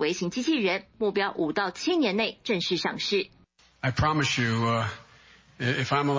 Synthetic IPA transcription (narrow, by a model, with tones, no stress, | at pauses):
we˧˥ɪɕi˧˥ŋt͡ɕi˥t͡ɕʰi˥˩ɻə˧˦nmu˥˩pjɑ˥ʊʔu˨˩t̪ɑ˥˧ʊt͡ɕʰi˥njɛ˧˥ne˥˩ɪʈ͡ʂə˥˧ŋʂɻ̩˥˩ʂɑ˥˩ŋʂɻ̩˥˩ | aɪpʰɹ̥ɑmɨsjʉ | ɪfãɪ̃məl